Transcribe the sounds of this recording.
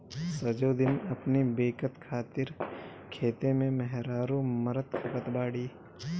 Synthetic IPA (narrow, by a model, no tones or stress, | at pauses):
sɐd͡ʒoːd̪ɪnɐpnibeːkət̪kʰaːt̪ɪɾ | kʰeːt̪emẽmɛɦɾaːɾomɐɾət̪kʰɐpət̪baːɽiː